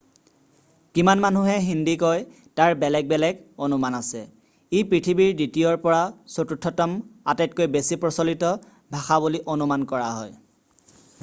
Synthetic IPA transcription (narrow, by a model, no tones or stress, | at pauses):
kimanmanuɦɛɦindikoj | taɹbɛlɛk̚bɛlɛɡonumanasɛ | ipɹitʰibiɹditijɔɹpɔɹasotutʰːɔtɔmatɛt̚kojbesipɹɔsolitɔ | bʱaxabuliʔonumankɔɹaɦɔj